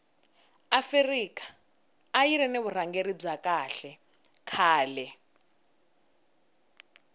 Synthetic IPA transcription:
aferikḁː | jiɾɛneβur̤aŋɡeɾib͡ʐakaɬɛ | kʰaːlɛ

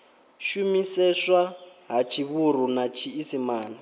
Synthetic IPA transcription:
ʃumisɛʂaɦat͡ʃʰiβuɾ̤unat͡ʃʰiːsimaːna

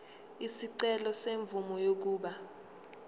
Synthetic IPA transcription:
isiǀɛlɔseɱb̪vumɔjok̬uːɓa

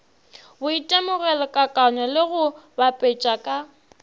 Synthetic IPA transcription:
bʊitʼemʊɣɛlɔkʼakʼanɔlɪɣʊbapʼet͡ʃʼakʼa

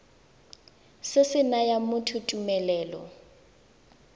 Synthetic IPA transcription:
sɪsɪnajamʊtʰutʼumɛlɛːlɔ̰

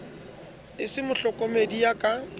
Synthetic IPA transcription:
ɪsɪmʊɬɔkʼomedijakʼa

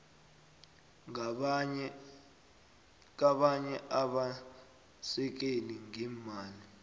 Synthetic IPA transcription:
k̬aɓaɲɛʔaɓa | sɛk̬eniŋiːmaːli

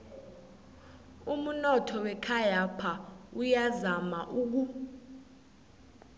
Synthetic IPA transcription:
um̩nɔtʰɔwɛkʰajapʰaujazamaʔuːk̬u

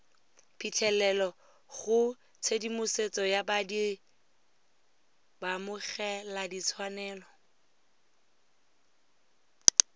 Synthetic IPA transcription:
pʰitʰɛlɛlɔ | χʊ | t͡sʰedimʊset͡sɔjabadi | bamʊɣɛladit͡sʰwanɛːlɔ

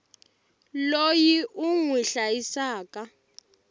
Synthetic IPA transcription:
lojiʔuŋwiɬajisaːka

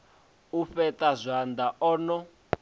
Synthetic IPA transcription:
ufɛtazʷand̪aʔɔːnɔ

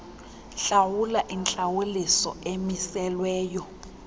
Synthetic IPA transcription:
ɬawulaʔint͡ɬʼawulisɔ̰emisɛlwɛːjɔ

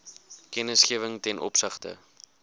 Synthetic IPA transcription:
kɛnəsχiəvəŋtɛnʔɔ̰psəχtə̰

